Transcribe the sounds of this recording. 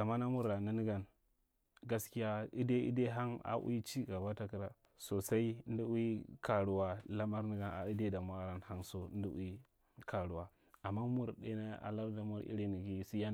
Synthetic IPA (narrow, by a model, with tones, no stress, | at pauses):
a˨ma˦na˦mu˦ɾa˨ni˦ni˦ɡa˨n | ɡa˦ski˦ja˦i˦de˦ḭ˦de˦ɦa˦ŋa̰˨ʔṵ˦i˦t͡ʃi˦ɡa˨ba˦ta˦ki˨ɾa˨ | so˨sa˦i˦n˦di˦u˦i˦ka˨ɾu˨wa˨la˦ma˦ɾni˦ɡa˨na̰˨i˦de˦da˨ma˦˨ɾa˦nha˦nso˨˦n˦di˦ṵ˦i˦ | kʰa˨ɾu˨wa˨ | a˨mːa˦mu˦ɾde˦na˦a̰˨la˦bda˦mu˦ɾḭ˦ɾi˦ni˨ɡi˦si˦ja˦